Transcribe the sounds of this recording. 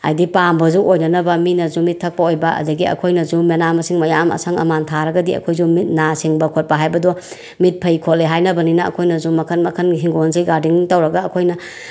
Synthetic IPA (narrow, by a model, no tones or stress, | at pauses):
a̰jdipambɐzuʔojnɐnɐbɐminɐzumitʰːɐk̚pɐojbɐɐ̰zɐɡiɐ̰kʰojnɐzumenamɐsiŋmɐjamɐ̰sʰɐŋɐ̰mantʰaɾɐɡɐdiɐ̰kʰojzumit̚nasiŋbɐkʰot̚pɐɦajbɐdɔ | mit̚pʰɐjkʰolːeɦajnɐbɐninɐ̰ːkʰojnɐzumɐkʰɐnmɐkʰɐnɦiŋɡonzijɡaɾdiŋtɐwɾɐɡɐːkʰojnɐ